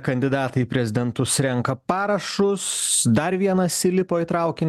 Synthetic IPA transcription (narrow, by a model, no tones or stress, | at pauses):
kɐnʲd̪ʲɪd̪ɑːt̪ɐɪpʲɾʲɛzʲɪd̪ʲɛnt̪ʊsɾʲɛŋkɐpɑːɾɐʃʊsd̪ɐɾʋʲiɛnɐsʲɪlʲɪpoːiːt̪ɾɐʊkʲɪnʲ